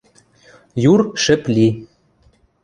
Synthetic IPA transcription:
jurʃɘ̆plʲi

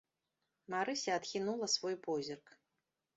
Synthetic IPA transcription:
maɾɨsʲɐat̪xʲinulˠɐsvɔjpɔzʲirk

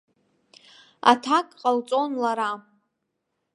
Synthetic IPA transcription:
a̰tʰakʼqʼalt͡sʼo̞nlaɾa

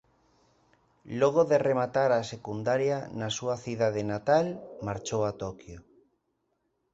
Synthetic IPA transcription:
lɔɣ̞oðeremat̪aɾasekund̪aɾjanasuɐθiðaðenat̪almaɾt͡ʃowat̪ɔkjo

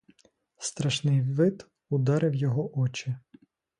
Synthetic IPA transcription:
st̪ɾɐʃnɪjʋɪd̪ | ʊd̪ɑɾɪwjɔɦɔʔɔt͡ʃɪ

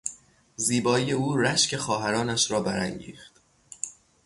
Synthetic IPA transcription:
ziːbɒːije̞uːɾæʃcʰe̞xɒːɦæɾɒːnæʃɾɒːbæɾæ̰ŋɟḭːxt̪

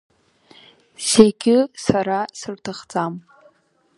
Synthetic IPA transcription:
zeɡʲɪsaɾasɨrtʰaχt͡sʼam

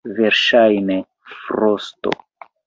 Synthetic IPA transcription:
veɾʃajne | fɾosto̰

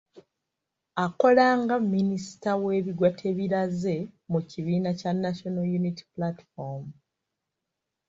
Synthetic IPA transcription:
ako̞laːŋɡamːinisi̥tawe̞ːβiɡwatʰe̞βiɾaze̞muciβiːnacanːaʃonajuniti̥plati̥fom

